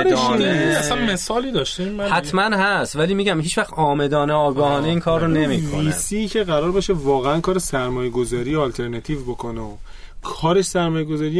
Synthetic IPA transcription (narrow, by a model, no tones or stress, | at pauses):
ɾiæsænmesɒːlid̪ɒʃt̪immæhæt̪ʰmænhæst̪væliːmiːɟæmɦiːt͡ʃvæχt̪ɒːme̞d̪ɒːneɒːɡɒːhɒːneiːnkʰɒːrːone̞mḭːkvoiːsicʰe̞ɣæɾɒːɾbeʃevɒːɣeænkʰɒːɾesæɾmɒːjeɡo̞zɒːɾijeɒːlt̪ʰe̞ɾnæt̪ʰiːvbokʰoneo | kʰɒːɾeʃsæɾmɒːjeɡozɒːɾij